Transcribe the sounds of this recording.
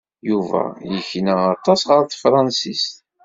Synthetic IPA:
juvæ̰jəçnəɑt̪ˤːɑsʁəɾθfɾˤɑnsist̪

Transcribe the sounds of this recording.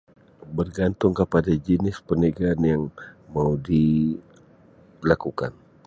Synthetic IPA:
bərɡant̪ʊŋkəpadad͡ʒənɪspənəɡaːnjaŋmawdi | lakuka̰n

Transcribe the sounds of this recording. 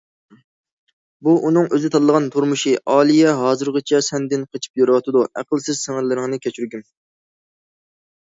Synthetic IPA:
buʔunɨŋøzɪt̪ʰɑd̪əlˠəʁɑnt̪ʰuɾmuʃiʔɑːlˠijɛɦɑːzɨɾʁət͡ʃʰɛsɛnd̪ɪnqʰət͡ʃʰi̥p̚joɾwɑt̪ɨd̪uʔæ̰qəlˠsɪz̥sɪŋɪlːɪɾɪŋnɨkʲʰɛt͡ʃʰyɾɡʲym

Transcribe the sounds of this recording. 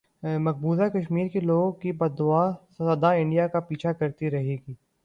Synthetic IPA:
mɐk̚buːzakɐʃmiːɾkeloːɡkibɐd̪ʊaːsɐɐd̪aɪ̃ɳɖijakapiːt͡ʃʰakɐɾt̪iɾɐɦeːɡiː

